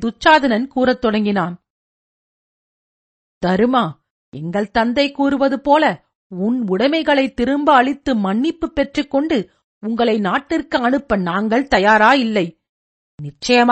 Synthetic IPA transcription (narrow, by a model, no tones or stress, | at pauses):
d̪ʊt͡ʃːaːðɐnɐnkuːɾɐt̪ːɔɽɐŋɡɪnaːn | d̪̥ɐɾɯmaː | ɛŋɡɐɭt̪ɐnd̪ɐɪkːuːɾɯʋɐðɯpoːlɐ | ʊnʊɽɐmɐɪɣɐɭɐɪt̪ːɪɾɯmbɐɐɭɪt̪ːɯmɐɳːɪpːɯpːɛʈrɯkːɔɳɖɯ | ʊŋɡɐɭɐɪnaːʈːɪrkɯɐɳɯpːɐnaːŋɡɐɭt̪ɐjaːɾaːjɪlːɐɪ | nɪt͡ʃːɐjɐm